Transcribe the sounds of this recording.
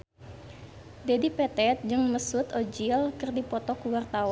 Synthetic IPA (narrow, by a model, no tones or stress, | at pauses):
dɛdipɛt̪ɛt̪̚d͡ʒɨŋməsut̪ɔd͡ʒilkɨrdipɔt̪ɔkuwart̪aw